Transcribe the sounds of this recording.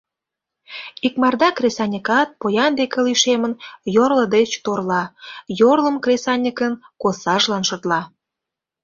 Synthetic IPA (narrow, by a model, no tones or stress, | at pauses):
ikmɑrd̪ɑkrʲesɑnʲəkɑt̪̚pojɑnd̪ekə̆liʃemənjorlə̆d̪et͡ɕt̪orlɑjorlə̆mkrʲesɑnʲəkənkosɑʒlɑnʃə̆t̪lɑ